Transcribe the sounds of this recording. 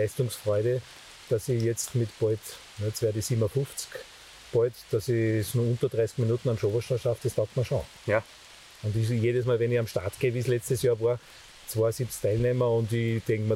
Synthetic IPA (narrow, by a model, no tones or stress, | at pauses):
æɪstʊŋsfʁɔʏɾə | d̥asijɛt͡stmɪtpɔɪt | nɛt͡sʋɛːɐdisiːbmɐfʊft͡sk | pɔɪtd̥asisnuɐʊ̃nt̪ɐd̥ʁaɪsɡ̥minutn̩amʃovɐʃaʃafd̥estaʊktmɐʃõ̰ | ʊ̃ndijeːɾəsmaːlʋɛniçamʃta̰ɐtɡ̥eːʋiːslɛt͡stəsjɑːɐʋaːɐ | t͡svoːɐsip̚t͡skt̪ʰæɪlnemɐʊ̃ndid̥̪eŋkməɐ